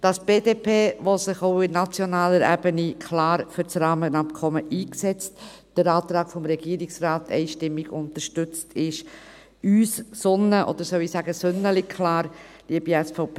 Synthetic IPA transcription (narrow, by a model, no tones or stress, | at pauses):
d̥ɑsb̥eːdeːpʰeːvosɪχoʊɪnnɑt͡sjɔnɑːləɾæ̰bənikʰlɑːɾfʏɾt͡sɾɑːmənɑp̚kʰɔməʔiːksɛt͡st | d̥əɾɑːt̪ɾɑːɡ̥fɔmɾɛɡ̥iːɾɪksraːtʰɛ̰ɪʃtɪmːɪɡʊntəɾʃtʏt͡stʰɪʃ | yːsːʊnəʔɔ̰d̥̪əɾsœʊisæːɡəsʏnəlɪkʰlɑːɾ | liəbiɛsfɔʊpʰeː